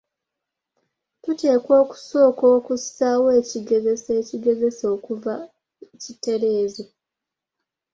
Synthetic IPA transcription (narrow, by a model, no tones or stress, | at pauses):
tute̞ːko̞ːku̥so̞ːko̞ːkusawe̞ːciɡe̞zeseciɡe̞ze̞so̞ːkuva | cite̞ɾe̞ːze